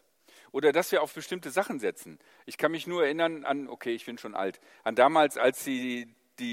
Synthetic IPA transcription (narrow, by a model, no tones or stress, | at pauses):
ʔoːdɐdasv̥iːɐaʊfb̥əʃtɪmtəzaχn̩zɛt͡sn̩ | ʔɪçkʰanmɪçnuːɐɛɐʔɪnɐnʔa̰nʔo̰kʰeːɪçb̥ɪnʃoːnʔa̰lt | ʔandaːmaːlsalsz̥iː | d̥iː